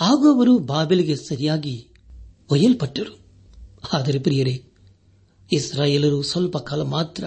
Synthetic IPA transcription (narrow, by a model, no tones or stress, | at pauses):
aːɡoːʋɐɾubaːbeliɡesɐɾijaːɡi | ɔjɐlpɐʈːɐɾu | aːd̪ɐɾepɾɪjɐɾe | isɾaːjeːlɐɾusɔlpɐkaːlɐmaːt̪ɾɐ